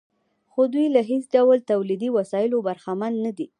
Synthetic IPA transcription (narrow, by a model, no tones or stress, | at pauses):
xod̪ujlaɦesɖawlt̪awlid̪iwasɑjɪlobaɾxamanːad̪i